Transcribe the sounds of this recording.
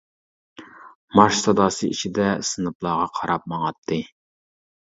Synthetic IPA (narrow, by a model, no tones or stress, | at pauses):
mɑʃsɑd̪ɑːsɨḭt͡ʃʰid̪ɛsɨnɨplˠɑːʁɑqʰɑɾɑp̚mɑŋɑt̪ʰːɨ